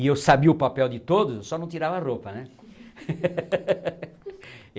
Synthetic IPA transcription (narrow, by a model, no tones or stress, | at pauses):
ewsabiʊpapɛwd̪ɪt̪od̪ʊssɔnɐ̃w̃t̪iɾavɐaropɐnɛ